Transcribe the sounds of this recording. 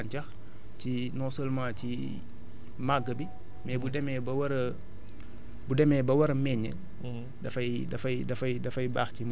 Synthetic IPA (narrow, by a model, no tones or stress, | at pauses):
ɲcɐx | ci | nɔsəlmãːci | maɡːəbi | mɛbudɛmɛːbɐwɐɾ | budɛmɛːbɐwɐɾɐmɛɲːə̰ | dɐfɐj | dɐfɐjdɐfɐjdɐfɐjbaːxcim